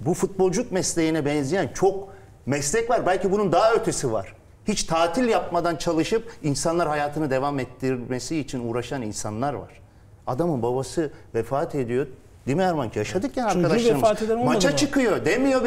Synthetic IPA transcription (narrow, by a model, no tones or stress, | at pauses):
bufut̪̚bo̞lˠd͡ʒukmɛslʲejinɛbɛnzijænt͡ʃʰo̞k | mɛslʲɛcvaɾbælʲcibunund̪aɦaøt̪ʰesiva̰ɾ̥ | hit͡ʃt̪ʰaːt̪ʰilʲjap̚mad̪ant͡ʃʰalˠɯʃɯp̚insanlˠaɾhajaːt̪ʰɯnɯd̪e̞vamɛt̪ʰːiɾɾʲmesiːt͡ʃʰinuːɾaʃaninsanlˠaɾva̰ɾ̥ | ad̪amɯnbabasɯvɛfaːt̪ʰe̞d̪ijo | d̪imihaɾmanjaʃad̪ɯkcʰɛnaɾkad̪aeaɾat̪ed̪emat͡ʃat͡ʃʰɯkɯjo̞d̪emijo̞